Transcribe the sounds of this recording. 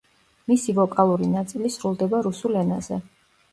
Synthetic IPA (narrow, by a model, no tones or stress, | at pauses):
misivɔkʼalˠuɾinat̪sʼilisɾulˠd̪ɛbaɾusulɛnazɛ̰